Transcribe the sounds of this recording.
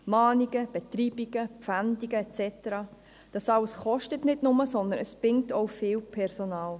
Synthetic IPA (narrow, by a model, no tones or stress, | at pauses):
mɑːniɡəb̥ɛt̪riːb̥iɡ̥əpfænd̪iɡəɛt͡sɛtəɾɑː | d̥ɑsɑləsχɔʃtətnɪtnʊməsɔnd̪ənəsb̥ɾɪŋtʰoʊfɪːwpʰɛɾsonɑːl